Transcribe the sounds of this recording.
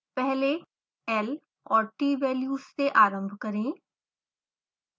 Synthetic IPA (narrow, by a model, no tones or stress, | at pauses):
pɛɦle | ɛl | ɔːɾʈiːʋɛːljuːsːeʔaːɾə̃mbʱkɐɾẽː